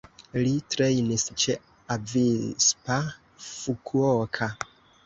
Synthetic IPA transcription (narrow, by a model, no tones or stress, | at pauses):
litɾejnist͡ʃe | avispa | fukʰuokʰa